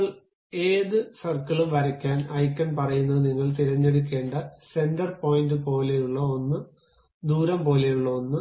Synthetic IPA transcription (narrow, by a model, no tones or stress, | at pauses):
ɐɭ | e̞ːðɨsɐrkɐɭumʋɐɾɐkʲːaːnɐjkːɐnpɐrɐjunːɐðɨniŋːɐɭt̪iɾɐɲːe̞ɽuk̬ʲːe̞ːɳɖɨse̞ndɐrpo̞ːjindɨpo̞ːle̞juɭːɐonːɨ | d̪uːɾɐmpo̞ːle̞juɭːɐonːɨ